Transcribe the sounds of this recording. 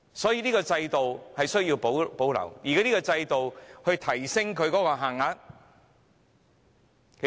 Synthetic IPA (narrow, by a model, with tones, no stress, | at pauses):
sɔː˨˥jiː˧niː˥kɔː˧t͡sɐ˧jt̪o˨whɐ˨jsɵ˥ɥji˧wpo˨˥wpo˨˥wlɐ̰˨˩wjiː˨ka˨˥niː˥kɔː˧t͡sɐ˧jt̪o˨whɵ˧ɥt̪ʰɐ˨˩jsɪ˥ŋkʰɵ˧ɥkɔː˨˥kɔː˧ɦaː˨ŋa˨˥t̚ | kʰ